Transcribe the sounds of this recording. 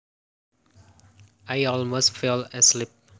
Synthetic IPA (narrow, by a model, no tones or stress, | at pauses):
ajɔlmostfɛləslip̚